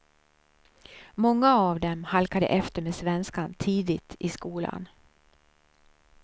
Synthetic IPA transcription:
mɔŋːaavd̪ɛmhalkad̪ə̰ʔɛft̪əɾmeːsvɛnskant̪ʰiːd̪ɪt̪ʰɪskuːla̰n

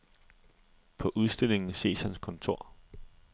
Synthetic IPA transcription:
pʰɒ̽ʔuð̞ˠsd̥e̝l̰e̝ŋn̩se̝̰ːshænskʰɒ̽nt͡sʰo̝̰ɐ̰

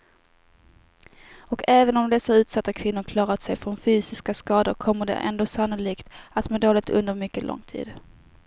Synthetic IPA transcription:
ɔkʰɛːvənɔmd̪ɛsːaʉ̟ːt̪sat̪ːakʰvɪnːʊɾkʰlɑːɾat̪sɛjfɾɔnfyːsɪskaskɑːd̪əɾkʰɔmːəɖɛ̰ʔɛ̰nd̪oːsanːʊliːkt̪at̪mɛd̪oːlɪk̚t̪ʰɵ̰nd̪əɾmʏkːəlɔ̰ŋːt̪ʰḭːd̪

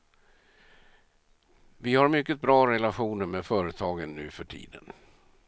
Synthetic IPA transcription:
vɪhaɾmʏkːət̪̚bɾɑːɾɛlaɧuːnəɾmeːd̪fœːɾət̪ʰɑːɡənːʉ̟ːfœʈʰḭːd̪ə̰n

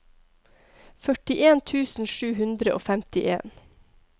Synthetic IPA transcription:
fœʈɪʔeːnt̪ʰʉːsn̩ʃʉːhʉnd̪ɾəʔo̰ːfæmt̪ɪʔḛːn

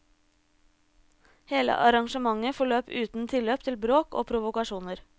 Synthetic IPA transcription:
heːlə̰ʔɑɾɑŋʃəmɑŋəfɔɭøːpʉːt̪n̩t̪ʰɪløːpt̪ʰɪlbɾoːko̰ːpʰɾʊʋʊkɑʃuːnəɾ

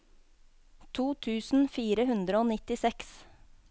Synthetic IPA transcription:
t̪ʰuːt̪ʰʉːsn̩fiːɾəhʉnd̪ɾəoːnɪt̪ɪsɛks

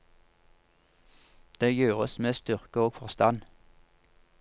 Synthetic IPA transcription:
d̪̥eːjøːʁəsmeːst̪ʏʁkəoːɡfɔʁst̪ɑn

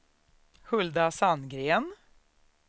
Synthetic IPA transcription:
hɵld̪asanɡɾeːn

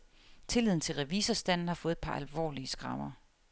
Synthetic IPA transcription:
t͡sʰe̝lið̞̰ˠn̩t͡sʰe̝lʁɛʋiːsɐsd̥æn̰n̩hɑ̈fɔ̽ːð̩ˠpʰɑ̈ʔælʋɒ̰ːliəsɡ̥ʁɑ̈mɐ

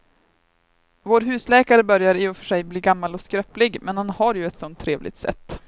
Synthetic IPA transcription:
voːɾɦʉ̟ːslɛːkaɾəbœɾjaɾɪɔfœʂɛjbliːɡamːalɔskɾœplɪɡmɛnhanhaɾjɵɛt̪sɔnt̪ʰːɾeːvlʔɪ̰ɡ̚t̪sɛ̰t̪ː

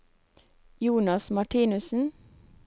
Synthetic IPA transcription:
juːnɑsmɑʈʰiːnʉsn̩

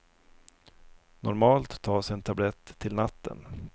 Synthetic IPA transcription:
nʔɔɾmɑːlt̪ʰːɑːʂənt̪ʰablɛt̪ʰːɪlnat̪ʰːə̰n

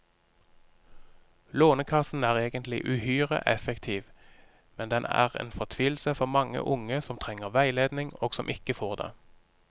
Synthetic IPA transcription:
loːnəkʰɑsn̩æːʁeːɡənt̪ʰlɪ̰ʔʉhyːʁə̰ʔɛfəkt̪ʰiːʋ | mɛnd̪ɛnʔæ̰ːʁḛːnfɔʁt̪ʰʋiːl̩səfɔʁmɑŋə̰ʔʊŋəsɔmt̪ʰʁɛŋəʁʋæɪleːd̪nɪŋoːɡsɔmʔɪkəfoːʁd̪ḛː

